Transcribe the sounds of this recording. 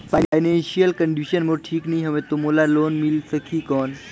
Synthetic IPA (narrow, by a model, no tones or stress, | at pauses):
faajnenɕijəlkəɳɖuɕənməɾʈʰiːknijɦəʋet̪umulalonmilsəkʰiːkɔn